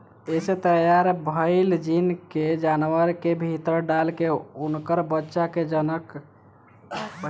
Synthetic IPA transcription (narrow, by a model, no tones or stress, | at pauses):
eset̪əjaɾbʱəɪld͡ʒinked͡ʒanʋəɾkebʱit̪əɾɖalkeunkəɾbətːʃaked͡ʒənək